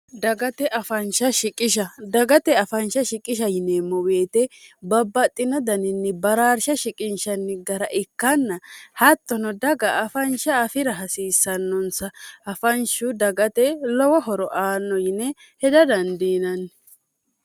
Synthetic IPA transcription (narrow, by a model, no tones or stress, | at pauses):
d̪ɐɡɐt̪ɛʔɐfɐnʃɐʃɪkʼɪʃ̬ɐd̪ɐɡɐt̪ɛɐfɐnʃɐʃɪkʼɪʃ̬ɐjɪnemːɔweːt̪ɛbɐbːɐt̪ʼːɪnɔd̪ɐnɪnːɪbɐɾaːɾʃɐʃɪkʼɪnʃɐnːɪɡɐɾɐʔɪkːɐnːɐhɐt̪ːɔnɔd̪ɐɡɐʔːfɐnʃɐːfɪɾɐɦɐsiːsːɐnːɔnsɐɐfɐnʃʊd̪ɐɡɐt̪ɛlɔwɔɦɔɾɔʔaːnːɔjɪnɛ | hɛd̪ɐd̪ɐnd̪iːnɐnːɪ